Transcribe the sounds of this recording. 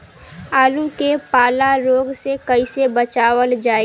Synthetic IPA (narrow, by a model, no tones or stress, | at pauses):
aːlukepaːlaɾoːɡsekəisebət͡ʃaːwəld͡ʒaːe